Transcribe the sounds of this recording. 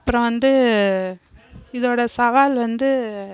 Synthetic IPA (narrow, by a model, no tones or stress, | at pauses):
ɐpːɯɾɔ̃ʋɐnd̪ɯ | ɪðoːɽɐsɐʋaːlʋɐnd̪ɯ